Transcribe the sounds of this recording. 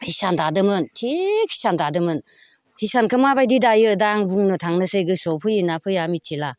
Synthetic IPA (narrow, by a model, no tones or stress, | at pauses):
hisandadɯmɯntʰikhi̥sandadɯmɯn | hisankʰɯmabajdidajɯdaŋbuŋnɯtʰaŋnɯsɯjɡɯsɔpʰɯjinapʰɯjamit͡ʃʰila